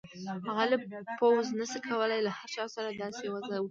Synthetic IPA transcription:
aɣalɨpʰowznɨsɨkʰawəlajlaħaʃʰasaɾadasewazaw

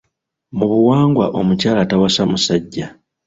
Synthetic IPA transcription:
muβuwaːŋɡwaʔo̞mucaːlatawasamusaɟːa

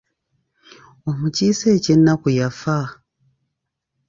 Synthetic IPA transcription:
omucisecenakujafa

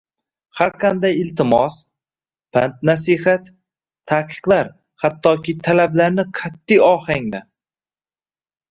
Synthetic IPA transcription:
haɾqʰand̪ajɪlt̪ʰɪmɒs | pant̪̚nasihat̪ʰː | aqʰɨ̥qlˠaɾ | hat̪ʰːɒkʲɪt̪ʰalablaɾnɪqʰat̪ːijɒhaŋd̪a

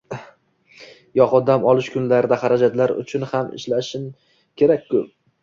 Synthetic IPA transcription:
jɒqɒd̪amɒlˠɪʃkʰʊnlaɾɪd̪ahaɾad͡ʒat̪laɾʊ̰t͡ʃʰʊnhamɪ̰ʃlaʃɪn | kʲʰe̞ɾakʲkʰːɵp̚

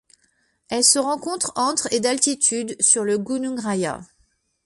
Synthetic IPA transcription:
ɛlsəʁɑ̃kɔ̃t̪χɑ̃t̪χed̪alt̪it̪ʰyd̪syʁləɡunuɡʁaja̰

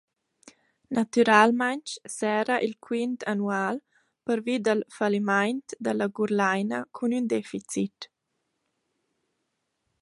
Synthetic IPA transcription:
nat̪yɾalmant͡ʃsɛːɾaʔilkʰwint̪ʰanuaːl | pəɾvid̪əlfalimajnt̪d̪alaɡuɾlajnakʰunynd̪ɛfit͡sit

